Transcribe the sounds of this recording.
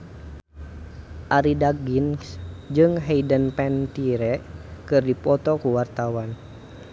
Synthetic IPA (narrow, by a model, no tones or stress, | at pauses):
ʔaɾidaɡinsd͡ʒɨŋɦɛidənpɛnt̪iɾɛʔkɨrdipɔt̪ɔkuwart̪awan